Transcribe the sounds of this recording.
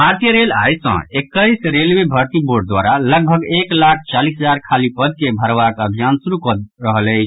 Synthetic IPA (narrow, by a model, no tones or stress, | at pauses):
maɾt̪jəɾela̰jsə̰̃ekːəsɾelʋebʱəɾt̪iboɾɖ̚d̪wa̰ɾaləɡ̚bʱəɡeklak̚ʰt͡ʃalisɦəd͡ʒaɾkʰalipəd̪̚kebʱəɾʋakəbʱijansuɾukəɾəɦələɪt͡ʃʰ